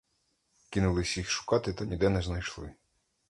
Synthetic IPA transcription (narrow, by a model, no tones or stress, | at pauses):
kinʊlˠɪsʲixʃʊ̥kɑt̪ɪt̪ɑnʲid̪ɛnɛznɐjʃlˠɪ